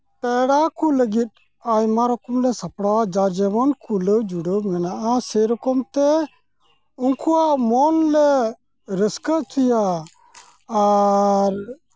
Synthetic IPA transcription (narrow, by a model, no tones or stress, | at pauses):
t̪ɛɽakuləɡit̪̚ | ajmaɾɔkɔmlɛsapɽawad͡ʒad͡ʒɛmankuləwd͡ʒuɽəmɛnaʔasɛɾɔkɔmt̪ɛ | uŋkuwaʔmɔnlɛ | ɾəskəʔt͡ʃuja | ɾ